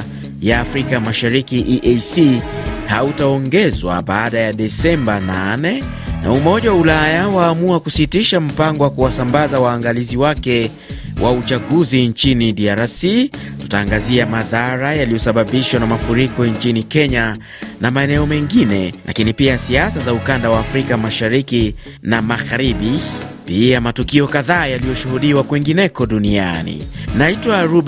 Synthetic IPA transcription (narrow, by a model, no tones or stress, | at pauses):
jaːfɾikamaʃaɾikiʔiʔesihautaɔŋɡɛzwa̰ɓaːɗajaɗɛsɛmbananɛ | na̰umɔʄawaulajawaːmuakusitiʃam̩paŋɡɔwakuwasambazawaːŋɡaliziwakɛ | wʔaut͡ʃaɠuzint͡ʃiniɗiaɾasitu̥taːŋɡaziamaðaɾajalijɔsaɓaɓiʃwanamafuɾikɔɲt͡ʃinikɛɲa | namaɛnɛɔmɛŋɡinɛlʔa̰kinipiasiasazaukandawaːfɾikamaʃaɾiki | namaɣaɾiɓipiamatukiɔkaðaːjalijɔʃuhuɗiwakwiŋɡinɛkɔɗunia̰nḭnaitwaɾu